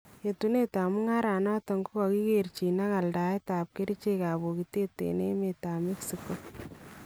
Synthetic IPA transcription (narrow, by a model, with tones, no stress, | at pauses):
je˨tu˦ne˦ta˨mu˦ŋa˦ɾa˨nɔ˦tɔ˨ŋɡu˦kɔ˨ki˦kert͡ʃi˨na˦ka˨lda˨e˦ta˨p̚ke˦ɾi˦t͡ʃe˦ka˨bo˨kite˦tḛ˨ne˦me˨ta˨mi˦ksikːo